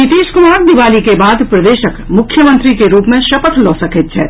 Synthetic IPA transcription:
nɪt̪iːʃkʊmaːɾd̪ɪʋaːlikebaːd̪pɾɐd̪eːʃəkmʊkʰːjəmə̃nt̪ɾikeɾuːpmẽʃɐpət̪lɔːsɐkʰɪt̪t͡ʃʰɛː

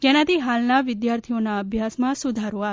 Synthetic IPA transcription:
d͡ʒenat̪ʰiɦalnaʋɪd̪jaɾt̪ʰionaəbʱjasmãsud̪ʱaɾoa

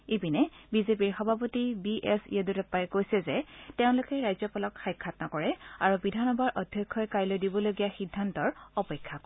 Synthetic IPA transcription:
ebinɛbizep̬iɹxɔbʱapɔtibiʔɛsḭjɔdutɛpːajɛkojsɛzɛteʊ̃lʊkɛɹajzɔpɔlɔkxajkʰːatnakɔɹɛa̰ɹubidʱanɔbaɹʔɔdʱjɔkʰːɔjkajlojdibɔloɡijaxidʱːantɔɹɔpɛkʰːa

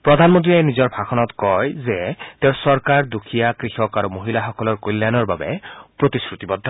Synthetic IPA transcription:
pɹɔd̪ʱanmont̪̬ɹienizɔɹbʱakʰɔnɔt̪kɔjzɛt̪eʊsɔɹkaɹd̪ukʰijakɹixɔkaɾumoɦilaxɔkɔlɔɹkolːanɔɹba̰bɛ̰pɹot̪iskɹut̪ibɔd̪ʱːɔ

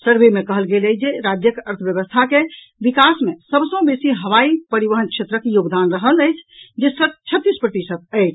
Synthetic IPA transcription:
səɾbemekəɦəlɡeləd͡ʒeɾad͡ʒjəkəɾt̪ʰəbjəʋəst̪ʰake | bikasmesəbsə̃besiɦəʋaipəɾiʋəɦənkʰt͡ʃʰet̪ɾəkejoɡd̪anɾəɦələjt͡ʃʰd͡ʒesəd̪̚t͡ʃʰət̪ːispɾəʈisət̪̚əjt͡ʃʰ

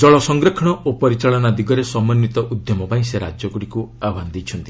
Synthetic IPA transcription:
d͡ʒɔɭɔsɔŋɡɾekʰɔɽ̃ɔʔopɔɾit͡ʃaɭɔnad̪iɡɔɾesɔmːɔnːit̪ɔʔud̪jɔmɔpaĩseɾa̰d͡ʒjɔɡuɽikuabʱand̪ejt͡ʃʰɔnt̪i̥

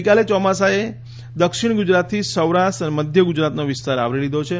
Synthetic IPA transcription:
kalet͡ʃɔmasae | d̪əkʃiɽɡud͡ʒɾat̪ʰːisəwɾaʃʈəneməd̪ʱjəɡud͡ʒɾat̪noʋɪst̪aɾa̰ʋɾelid̪ʱot͡ʃʰe

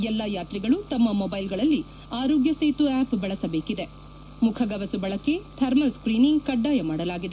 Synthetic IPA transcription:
ɛlːɐjaːt̪ɾiɡɐɭut̪ɐmːɐmɔbɐjlɡɐɭɐlːi | aːɾoːɡjɐseːt̪uaːpbɐɭɐsɐbeːkid̪e̞ | mukʰɐɡɐʋɐsubɐɭɐkːet̪ʰɐɾmɐskɾiːniŋɡkɐɖːaːjɐmaːɽɐlaːɡid̪e

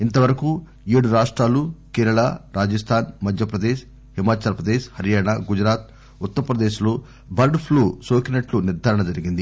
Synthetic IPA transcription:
int̪ɐʋɐɾɐku | eːɽuɾaːʂʈɾaːlukeːɾɐɭaːɾaːd͡ʒɐst̪ʰaːnmɐd̪ʱjɐpɾɐd̪eːʃ | himaːt͡ʃaːɾɐpɾɐd̪eːʃhɐɾijaːɳaɡud͡ʒɾaːt̪̚ | ut̪ːɐɾɐpɾɐd̪eːʃuloː | bɐɾɖpʰluːsoːkinɐʈluniɾd̪ʱaːɾɐɳɐd͡ʒɐɾiɡind̪i

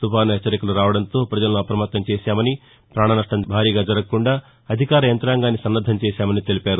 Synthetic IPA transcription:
t̪upaːnuɦɛt͡ʃːɐɾikɐluɾaːʋɐɽɐnt̪o̞ːpɾɐd͡ʒɐlɐnuɐpɾɐmɐt̪ːɐmt͡ʃeːʃaːmɐni | pɾaːɳɐnɐʂʈɐmbʱaːɾiːɡaːd͡ʒɐɾɐkkːuɳɖaː | ɐd̪ʱikaːɾɐjɐnt̪ɾaːŋɡaːnːisɐnːɐd̪ʱɐmt͡ʃeːʃaːmɐnit̪e̞lipaːɾu

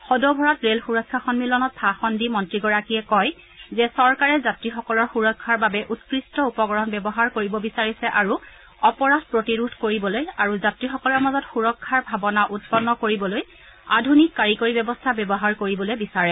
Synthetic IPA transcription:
xɔdɔbʱɔɹatɹelxuɹɔkʰːaxɔnmilɔnɔt̚pʰaxɔndimɔntɹiɡɔɹakijɛkɔj | zɛsɔɹkaɹɛzatɹixɔkɔlɔɹxuɹɔkʰːaɹbabɛʔutkɹistɔupɔɡɔɹɔnbɛbɔɦaɹkoɹibɔbisaɹisɛʔaɹu | ɔpɔɹadpɹotiɹudʱkoɹibɔlojaɹuzatɹixɔkɔlɔɹmazɔtxuɹɔkʰːaɹbʱabɔnaʔut̚pɔnːɔkoɹibɔloj | a̰dʱunikːaɹikoɹibɛbɔstʰabɛbɔɦaɹkoɹibɔlojbisaɹɛ

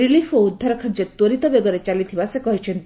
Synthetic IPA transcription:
ɾilipʰoud̪ʱːaɾɔkʰɔɾd͡ʒet̪woɾit̪ɔbeɡɔɾet͡ʃalit̪ʰibasekɔɦit͡ʃʰent̪i

